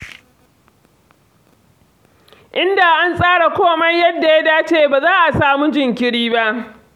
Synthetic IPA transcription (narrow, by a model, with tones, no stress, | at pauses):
ʔɪ˦nda˨ʔa˦nsʼaː˦ɽa˨kʷoː˦mɐ˦jjɐ˦dːa˨ja˦daː˦t͡ʃeː˦˨baː˨zaː˦ʔa˨saː˨mu˦d͡ʒɪ˨ŋkʲɪ˦ɽiː˦ba˦ʔ